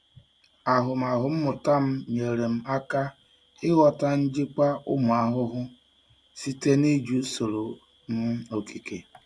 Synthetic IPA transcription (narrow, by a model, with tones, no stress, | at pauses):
a˨ɦʊ˨m̩˨a˨ɦʊ˨m̩˦mʊ˨ta˦m̩˦ɲe˨ɾe˨m̩˦a˦ka˦ | ɪ˦ɣɔ˨ta˦n̩˦d͡ʒɪ˦k͡pa˦ʔʊ̰˦mʊ˨a˨ɦʊ˦ɦʊ˦ | si˦te˦ni˦d͡ʒu˨˦so˨ɾo˨ | m̩˦o˨ki˨ke˨